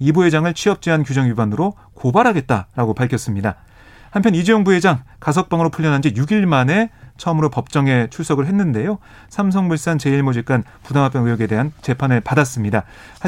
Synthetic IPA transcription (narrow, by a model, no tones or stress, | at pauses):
ibuɦe̞d͡ʑaŋɯɭt͡ɕʰiʌp̚t͡ɕ͈iɦankjud͡ʑʌŋjubanɯɾo | kobaɾɦaɡe̞t̚t͈aɾaɡopaɭkʰʌs͈ɯmɲida | hampʰjʌnid͡ʑejoŋbuɦe̞d͡ʑaŋkas̬ʰʌk̚p͈aŋɯɾopʰuʎːʌnɦand͡ʑijuɡiɭmane̞t͡ɕʰʌmɯɾopʌp̚t͡ɕ͈ʌŋe̞t͡ɕʰuɭs͈ʌɡɯɭɦe̞nːɯnde̞jo | sʰamsʰʌŋmuɭs͈ant͡ɕe̞iɭmod͡ʑik͈an | pudamɦapjʌŋɯjʌɡe̞de̞ɦant͡ɕe̞pʰanɯɭpadas͈ɯmɲida | h